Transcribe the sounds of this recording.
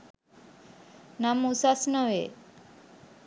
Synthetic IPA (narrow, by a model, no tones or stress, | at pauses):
namusasnəʋe